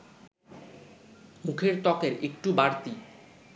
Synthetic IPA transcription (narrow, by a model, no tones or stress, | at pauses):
mukʰeɾt̪ɔkeɾekʈubaɾt̪i